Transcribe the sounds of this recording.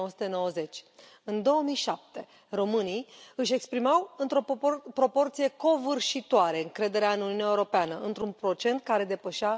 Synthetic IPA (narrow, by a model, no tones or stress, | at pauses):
owəsu̥t̪eno̞wəze̞t͡ʃʲ | ɨnd̪o̞wəmijʃap̚t̪e̞ | ro̞mɨnijɨʃ̬e̞kspɾimawɨnt̪ɾo̞pɾo̞po̞rt̪sije̞ko̞vɨrʃit̪oaɾe̞ɨŋkɾe̞d̪e̞ɾeaɨnuniunʲaeuɾo̞peanəʔɨnt̪ɾunpɾo̞t͡ʃe̞nt̪̚kaɾe̞d̪e̞pəʃa